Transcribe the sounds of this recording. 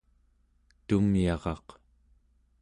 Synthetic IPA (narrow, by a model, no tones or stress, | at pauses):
t̪umiɑʁɑq